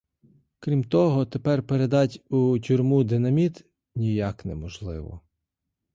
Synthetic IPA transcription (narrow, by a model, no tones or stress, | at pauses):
kɾʲimt̪ɔɦɔt̪epɛrpeɾe̞d̪ɑtʲutʲʊrʲmud̪ɪnɐmʲit̪ | nʲijaknɛ̰mɔʒlˠɪʋɔ̰